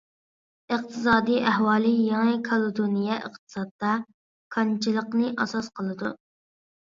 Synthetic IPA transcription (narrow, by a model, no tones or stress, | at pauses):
ɨq̚t̪ʰɨsɑːd̪iʔæhwɑːlˠɨjeŋɨkʰɑlˠud̪unijɛə̰qt̪ʰɨ̥sɑt̪ːɑ | kʰɑnt͡ʃʰilˠəqnɨʔɑsɑsqʰəlˠɨd̪ṵ